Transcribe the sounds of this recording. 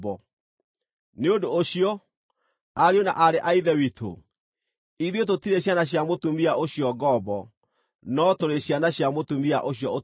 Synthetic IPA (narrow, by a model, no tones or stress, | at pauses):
bɔ | neondoːɕiɔ | aɾeona̰ʔaɾeʔaiðɛwitʰo̰ | iðwet̬otiɾeɕ̬anaɕjamotumiaoɕiɔɡɔbɔ | nɔtoɾeɕjanaɕjamotumia̰ʔoɕjɔo